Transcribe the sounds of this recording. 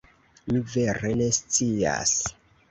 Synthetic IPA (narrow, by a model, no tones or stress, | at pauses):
mive̞ɾe̞ne̞st͡sia̰s